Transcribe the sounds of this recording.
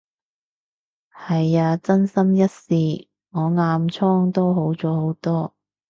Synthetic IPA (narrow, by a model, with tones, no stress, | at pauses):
hɐ˨jaː˧t͡sɐ˥nsɐ˥mjɐ˥t̚siː˨ | ŋɔː˨˧ŋaː˧mt͡sʰɔː˥ŋt̪o˥wɦo˨˥wt͡sɔː˨˥ho˨˥wt̪ɔː˥